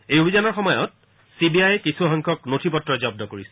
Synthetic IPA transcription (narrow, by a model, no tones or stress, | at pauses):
ejobʱizanɔɹxɔmɔjɔ̰t̚ | sibiajɛkisʰuɦɔŋkʰɔknotʰipɔtːɹɔzɔb̚dɔkoɹisɛ